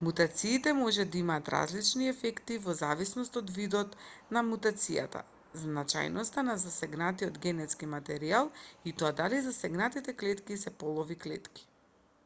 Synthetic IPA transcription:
mut̪at̪siːt̪ɛmɔʒɛd̪aimaːt̪ɾa̰zlit͡ʃniɛfɛkt̪ivɔzavisnɔst̪ɔd̪vid̪ɔt̪namut̪at̪sija̰t̪a̰ | znat͡ʃa̰jnʔɔst̪anazasɛɡnat̪iɔd̪ɡɛnɛt̪skimat̪ɛɾialˠit̪ɔad̪alizasɛɡnat̪it̪ɛklɛt̪kisɛpɔlˠɔviklɛ̰t̪ki̥

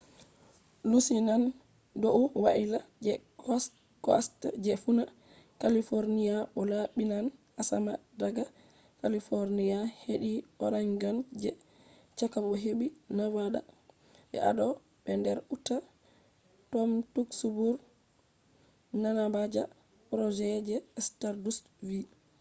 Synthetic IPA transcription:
lusinan | dɔuwaʔilad͡ʒɛɔ | kɔ̰std͡ʒɛfuna | kalifoɾnijaɓɔlaɓinan | asamadaɡa | kalifoɾnijaheɗiʔɔ̰ɾaɲɡand͡ʒɛ | t͡ʃakabɔɦeɓinawaɗa̰ | ʔɛ̰ʔa̰ɗɔ | ɓɛndɛɾutːa | tɔmtuksubuɾ | nanabad͡ʒa | pɾɔd͡ʒɛd͡ʒɛstaɾdus | vi

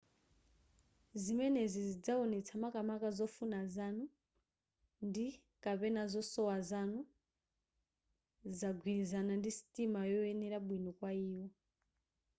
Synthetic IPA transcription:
zimɛnɛzizid͡zaɔnɛt͡sʰamakamakazɔfunazanu | ndi | kapɛnazɔsɔwazanu | zaɡʱwiɾizanandisi̥tʼimajɔɛnɛɾaɓwinɔkwaiːwɔ

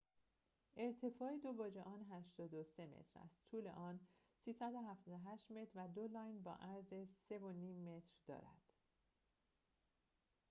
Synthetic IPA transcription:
ʔe̞ɾt̪ʰe̞fɒːed̪o̞bɒːd͡ʒeʔɒːnɦæʃt̪ɒːd̪ose̞mḛt̪ʰɾæ̰st̪t̪ʰuːle̞̰ʔɒːn | siːsæd̪o̞ɦæft̪ɒːd̪oɦæʃt̪me̞t̪ʰɾvæd̪olɒːjnbɒ̰ːʔæɾzese̞vo̞niːmːe̞t̪ʰɾd̪ɒ̰ːɾæ̰d̪̥

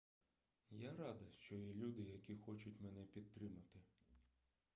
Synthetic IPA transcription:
jaɾɑd̪ɐʃt͡ʃɔjɛlʲud̪ɪjɐkʲixɔt͡ʃʊtʲmɛnɛpʲid̪̚t̪ɾɪmɐt̪ɪ

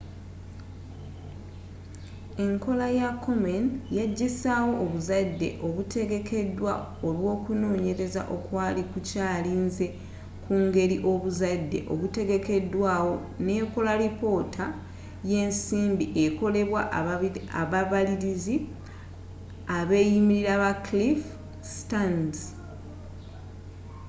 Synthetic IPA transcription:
e̞ŋko̞lajakʰːo̞menjaɟːisaːwo̞ʔːβuzadːe̞̰ʔo̞βutʰe̞ɡe̞kʰe̞dwa | olwo̞ːkuno̞ːɲe̞ɾe̞za̰ʔo̞kwaːlikucaːliːnze̞ | kuːŋɡe̞ɾiʔo̞βuzadːe̞̰ʔo̞̰βute̞ɡe̞ke̞dːwaːwo̞ | ne̞ːko̞laɾipo̞ːtʰa | je̞ːnsiːmbiʔe̞ko̞le̞βwa | aβaβaliɾizi | aβe̞ːjimiɾiɾaβaklif | stan

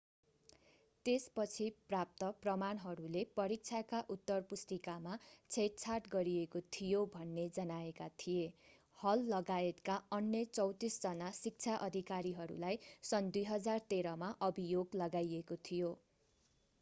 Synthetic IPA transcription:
t̪espʌt͡sʰiprap̚t̪ʌprʌmanɦʌɾulepʌɾik̚t͡sʰakaʔut̪ːʌrpust̪ikamat͡sʰeʈ̚t͡sʰarʈɡʌɾiekot̪ʰijobʱʌnːed͡zʌnaekat̪ʰije | hʌlːʌɡaet̪kaʌnjʌt͡sʌwt̪isd͡zʌnasik̚t͡sʰaʔʌd̪ʱikaɾiɦʌɾṵlajsʌnd̪ujɦʌd͡zart̪eɾʌmaʔʌbʱijoɡlʌɡajekot̪ʰijo

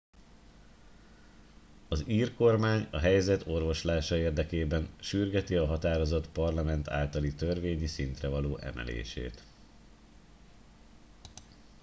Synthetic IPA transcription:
ɒziːrko̞rmaːɲɒɦɛjzɛt̪ʰo̞rvo̞ʃlaːʃɒeːrd̪ɛkeːbɛnʃyrɡɛt̪iɒɦɒt̪aːɾo̞zo̞t̪pɒrlɒmɛnt̪ʰa̰ːlt̪ɒlit̪ørveːɲisint̪rɛvɒloːʔɛ̰mʔɛ̰lḛːʃḛːt̪

